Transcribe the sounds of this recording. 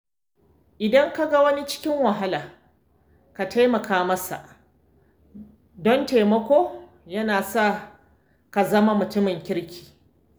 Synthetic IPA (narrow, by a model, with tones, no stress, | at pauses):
ʔɪ˨dɐ˦ŋka˦ɡa˦wɐ˦ni˦t͡ʃɪ̥˦kʲɪ˦ŋwɐ˨ɦa˦laː˨ | ka˨ta˦jmɐ˨kʰaː˦mɐ˦sa̰˨ʔ | dɔ˦nte˨mɐ˦kʷoː˦ | jɐ˦naː˨sa˦˨ | ka˨zɐ˦ma˦mʊ˨tʊ˦mɪ˨ŋkʲɪ˦ɽkʲʰi̥ː˨